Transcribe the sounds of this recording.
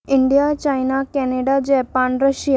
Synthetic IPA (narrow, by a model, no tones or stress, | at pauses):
ɪɳɖijat͡ɕajnakɛneɖad͡ʑɛːpanɾəʃij